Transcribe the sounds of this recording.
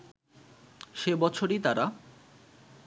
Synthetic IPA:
ʃebɔt͡ɕʰoɾit̪aɾa

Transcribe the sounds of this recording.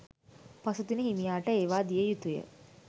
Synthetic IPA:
pasut̪unəɦimijaːʈəeːʋaːd̪ijəjut̪ujə̰

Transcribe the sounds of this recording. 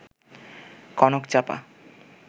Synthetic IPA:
kɔnokt͡ɕapa̰

